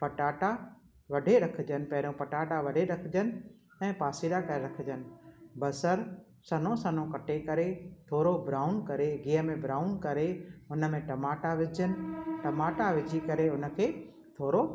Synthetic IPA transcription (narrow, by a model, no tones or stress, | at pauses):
pɐʈaːʈa | ʋɐɖʱeɾɐkʰɪ̆d͡ʑənɪ̆pɐɦɪɾõpɐʈaːʈaʋɐɖʱeɾɐkʰɪd͡ʑənɪ̆ | ɛ̃ːpaːsiɾakɐɾeɾɐkʰɪd͡ʑənɪ̆bɐsəɾ | sɐnõsɐnõkɐʈʰekɐɾet̪ʰoːɾobɾaːʊnkɐɾeɡiːəmẽbɾaːʊnkɐɾeʊnə̆mẽʈɐmaːʈaʋɪd͡ʑənɪ̆ʈɐmaːʈaʋɪd͡ʑʱikɐɾeʊnəkʰeː | t̪ʰoːɾo